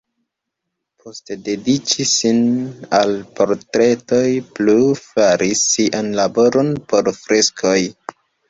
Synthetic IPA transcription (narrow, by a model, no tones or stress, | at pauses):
pʰostede̞dit͡ʃisinalpo̞ɾtɾe̞to̞jplufaɾʔisːiʔanlabo̞ɾo̞npo̞ɾfɾe̞skʰo̞j